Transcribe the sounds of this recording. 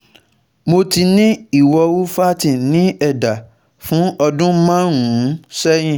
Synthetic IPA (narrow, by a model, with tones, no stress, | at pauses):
mo˧ti˧nĩ˦i˦˨wɔ˧wu˦fa˦tĩ˨nĩ˦ɛ˦˨da˨ | fũ˨˦ɔ˧dũ˦mã˦ɾũ˨˦sɛ˦j̃ĩ˦˨